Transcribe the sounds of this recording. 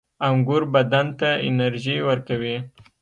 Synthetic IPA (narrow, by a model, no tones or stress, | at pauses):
aŋɡʊɾbad̪ant̪aɪ̰naɾʒiwəɾkawi